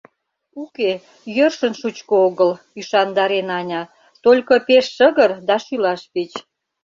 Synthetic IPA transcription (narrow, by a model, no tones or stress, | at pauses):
uke | jørʃənʃut͡ɕkooɣəl | yʃɑnd̪ɑɾenɑnʲɑ | t̪olʲkəpeʃːəɣərd̪ɑʃylɑʃpet͡ɕ